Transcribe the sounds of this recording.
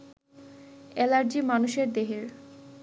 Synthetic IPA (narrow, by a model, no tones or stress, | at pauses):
ɛlaɾd͡ʑimanuʃeɾd̪eɦeɾ